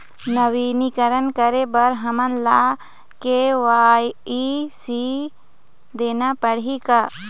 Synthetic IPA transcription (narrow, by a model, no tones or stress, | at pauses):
nɐʋiːnikəɾənkəɾebɐɾɦɐmənla | keʋaːjisi | d̪eːnapəɽ̤ika